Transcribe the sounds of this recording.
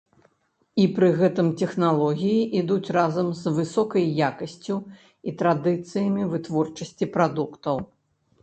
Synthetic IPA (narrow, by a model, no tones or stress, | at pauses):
ipɾɨɣɛt̪ɨmt̪ʲɛxnalˠɔɣʲijiʔid̪ut͡sʲrazɐmzvɨsɔkɐjːakɐsʲt͡sʲu | it̪ɾad̪ɨt̪sɨjɐmʲivɨt̪vɔrt͡ʂɐsʲt͡sʲipɾad̪ukt̪ɐw